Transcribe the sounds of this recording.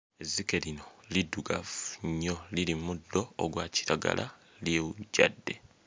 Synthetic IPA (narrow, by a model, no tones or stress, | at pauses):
ezike̞lino̞liduɡafɲːo̞lilimudːo̞ːɡwaːci̥ɾaɡa̰la̰ | ljeːuɟa̰dːe̞